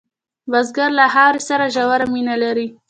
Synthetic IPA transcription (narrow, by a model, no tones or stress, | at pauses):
bazɡaɾlaɦɑɾesaɾaʒawaɾaminalaɾi